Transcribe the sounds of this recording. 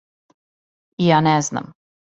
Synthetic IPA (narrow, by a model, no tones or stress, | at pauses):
ijaːnɛzna̰m